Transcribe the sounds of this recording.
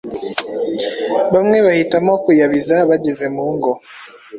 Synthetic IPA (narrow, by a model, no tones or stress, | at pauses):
βamŋe̞βahitamokujaβizaβaɟeze̞muːŋɡo